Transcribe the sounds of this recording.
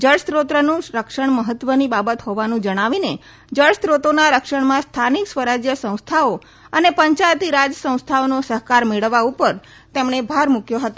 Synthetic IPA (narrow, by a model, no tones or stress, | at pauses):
d͡ʒəɭst̪ɾot̪ɾənũɾəkʃəɳ̃məɦət̪ːʋənibabət̪ɦoʋanũd͡ʒəɽ̃aʋine | d͡ʒəɭst̪ɾot̪onaɾəkʃəɳmãst̪ʰaniksʋəɾad͡ʒjəsə̃w̃st̪ʰao | ənepəɲt͡ʃajt̪iɾad͡ʒsə̃w̃st̪ʰaonosəɦkaɾmeɭəʋːaupəɾ | t̪emɳ̃ebʱaɾmukjoɦət̪o